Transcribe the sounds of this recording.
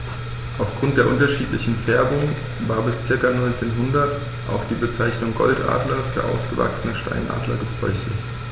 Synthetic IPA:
ʔaʊfɡ̥ʁʊnt̚d̥eːɐʔʊntɐʃiːtlɪçn̩fɛɐbʊŋ | vaːɐbɪst͡sɪɐkanɔʏnt͡seːnɦʊndɐt | ʔa̰ʊxd̥iːbət͡saɪçnʊŋɡɔ̰ltʔa̰ːdlɐfyːɐʔa̰ʊsɡ̥əva̰ksənəʃta̰ɪnʔa̰ːdlɐ̰ɡəpɔʏçə̰

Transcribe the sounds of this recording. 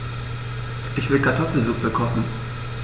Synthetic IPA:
ʔɪçv̥ɪlkʰaɐtʰɔfl̩zuːk̚b̥əkʰɔχn̩

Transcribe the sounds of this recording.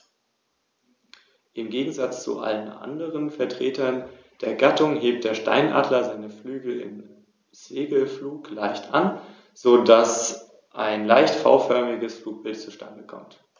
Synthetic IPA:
ʔɪmɡeːɡŋ̩zat͡st͡sṵʔa̰lənʔa̰ndəʁənfɛɐtʁ̥eːtʰɐnd̥eːɐɡatʊŋɦeːp̚t̚d̥eːɐʃta̰ɪnʔa̰ːdlɐzaɪnəflyːɡl̩ɪ̰m | z̥eːɡl̩fluːklaɪçtʔa̰n | z̥oːdas | ʔaɪnlaɪçtfa̰ʊfœɐmɪɡəsfluːk̚b̥ɪlt̚t͡suʃtʰa̰ndəkʰɔ̰mt

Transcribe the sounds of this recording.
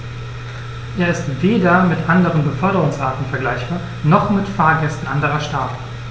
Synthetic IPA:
ʔeːɐɪstveːdɐmɪtʔandəʁənbəfœɐɾəʁʊŋsʔaːɐtn̩fɛɐɡlaɪçb̥aːɐ | nɔχmɪtfaːɐɡɛstn̩ʔandəʁɐʃtaːt

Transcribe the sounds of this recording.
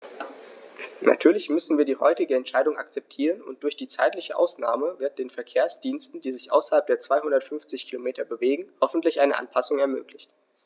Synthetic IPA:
na̰tʰyːɐlɪçmʏsn̩viːɐdiːhɔ̰ʏtɪɡəɛntʃaɪdʊŋʔa̰k̚t͡sɛp̚tʰiːʁənʊ̰nt̚d̥ʊɐçd̥iːt͡sa̰ɪtlɪçəʔa̰ʊsna̰ːməvɪɐt̚d̥eːnfɛɐkʰeːɐsd̥iːnstn̩d̥iːzɪçʔa̰ʊsɐhalp̚d̥eːɐt͡sv̥aɪhʊndɐtfʏnft͡sɪçkʰilomeːtɐbəveːɡŋ̩hɔfn̩tlɪçʔaɪnə̰ʔa̰npʰasʊŋɛɐmøːklɪçt

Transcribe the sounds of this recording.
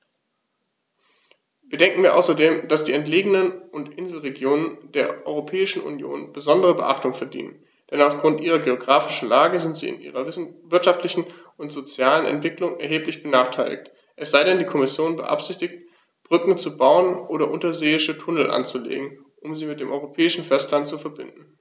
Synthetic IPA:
viːɐdɛŋkŋ̩viːɐʔa̰ʊsɐdeːmd̥asd̥iːɛntleːɡənənʔʊntʔɪnzl̩ʁeɡjoːnənd̥eːɐʔɔʏʁopʰɛːɪʃn̩ṵnjo̰ːnb̥əzɔndəʁəbəʔaχtʊŋfɛɐdḭːnə̰n | d̥ɛnaʊfɡ̥ʁʊntʔiːʁ̞ɐɡeoɡʁaːfɪʃn̩laːɡəzɪntz̥ḭːɪ̰nʔḭːʁɐvɪɐtʃaftlɪçn̩ | ʊntz̥ot͡sjaːlənɛ̰ntv̥ɪklʊŋɛɐɦeːplɪçb̥ənaːχtʰaɪlɪ̰çt | ʔɛsz̥aɪɾɛndiːkʰɔmɪsjoːnbə̰ʔa̰pz̥ɪçtɪçt̚ | b̥ʁʏkŋ̩t͡subaʊənʔoːɾɐʔʊntɐzeːɪʃətʰʊnl̩ʔa̰nt͡sulḛːɡŋ̩ | ʔʊmziːmɪtd̥eːmʔɔʏʁopʰɛːɪʃn̩fɛstlantt͡sufɛɐbɪ̰ndn̩

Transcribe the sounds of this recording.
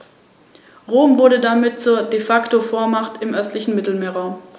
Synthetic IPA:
ʁoːmvʊɐdədamɪt̚t͡suːɐdefaktofoːɐmaχtɪmʔœstlɪçn̩mɪtl̩meːɐʁaʊm

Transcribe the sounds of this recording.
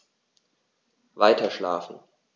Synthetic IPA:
vaɪtɐʃla̰ːfn̩

